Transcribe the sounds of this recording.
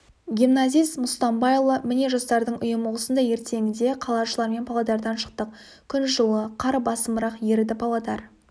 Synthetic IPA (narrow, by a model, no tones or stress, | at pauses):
ɡʲimnazʲijsmʊst̪ɑmbɑjlˠəmɪne̞ʒost̪ɑɾd̪əɴʔʊ̰jəmoʁˠəsənd̪ɑje̞ɾt̪ʰe̞ŋʲɪd̪e̞qʰɑlˠɑʒəlˠɑɾme̞npʰɑlˠɑd̪ɑɾd̪ɑnʃə̥q̚t̪əq̚ | kʲʰʏnʒəlˠəqʰɑɾbɑsəməɾɑqje̞ɾɪd̪ɪpʰɑlˠɑd̪ɑɾ